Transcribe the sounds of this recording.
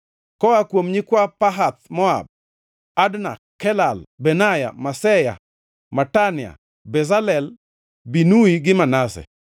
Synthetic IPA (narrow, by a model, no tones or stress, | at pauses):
kɔakwomɲikwapaɦat̪̚mɔa̰b̚ | adnakːɛlalbɛnaja̰masɛja̰ | matanja̰ | bɛzalɛl | binuiɡɪmanasɛ̰